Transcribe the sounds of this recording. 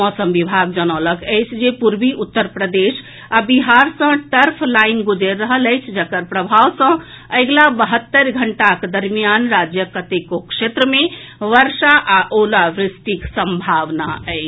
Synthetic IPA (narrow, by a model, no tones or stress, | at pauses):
mɔsəmʋibʱaɡ̚d͡ʒənələkəjt͡ʃʰd͡ʒepuɾbiʔut̪ːəɾpɾəd̪es | abiɦaɾsə̃ʈəɾpʰlainɡud͡ʒeɾːəɦələjt͡ʃʰd͡ʒəkəɾpɾəbʱaʋsə̃ | əjɡlabəɦət̪ːəɾɡʱəɳʈakd̪əɾmijanɾad͡ʒjəkət̪ekokʃet̪ɾəme | ʋəɾsaʔaʔolaʋɾɪst̪iksəmbʱaʋnaəɪt͡ʃʰ